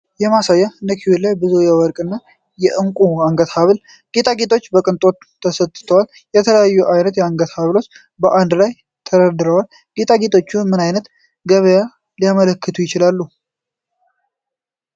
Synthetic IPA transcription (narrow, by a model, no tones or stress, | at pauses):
jɛmasajːaɨnd̪əkʰiwelajbɨzujɛwɔɾkʼɨnːa | jɛʔɨŋkʼuaŋɡət̪haβɨl | ɡ̥et̪ʰʼaɡet̪ʰʼo̞t͡ʃːbəkʼɨnt̪ʼo̞t̪ʰːəsət̪ʼːɨ̥t̪ʰəwal | jɛt̪ʰələjajːuʔajnət̪jɛaŋɡət̪haβlot͡ʃː | bəʔand̪laj | t̪ʰəɾəd̪ɨɾəwal | ɡet̪ʼaɡet̪ʰʼo̞t͡ʃːumɨnajnət̪ | ɡəβəja | lijamələkːɨt̪ʰujɪt͡ʃɪlalːu